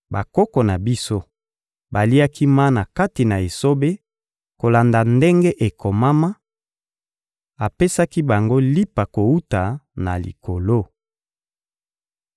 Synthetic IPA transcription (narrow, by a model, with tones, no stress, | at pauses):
ba˨kɔ˦kɔ˨na˨bi˦so˦ | ba˨li˦a˦kʰi˦ma˦na˨ka˦ti˨na˨e˨so˦be˦ | ko˨la˨nda˨nde˦ŋɡe˦ʔe˨kʰo˨ma˦ma˦ | a˨pe˦sa˦ki˦ba˨ŋɡo˦li˦pa˨ko˨u˦ta˨na̰˨lḭ˨ko˨lo˦